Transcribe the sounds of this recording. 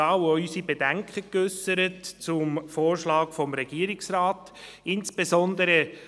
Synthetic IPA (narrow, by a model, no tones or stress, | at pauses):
ɑːwœysibedæŋkʰəkʏsəɾətt͡sʊmfoːrʃlɑːkfɔmɾɛɡ̥iːəɾiksrɑːt | ɪnsb̥ezɔnd̪əɾə